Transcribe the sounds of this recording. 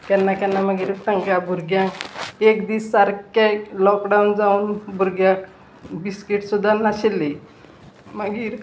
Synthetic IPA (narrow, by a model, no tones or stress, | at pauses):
kjanːakãnːaməɡiːɾʈ̪əŋkabʱuɾɡjãekd̪iːsːaɾkalɔkɖawnd͡zauːnbʱuɾɡjã | biskiʈsud̪ʱːanaɕilːe | məɡiːɾ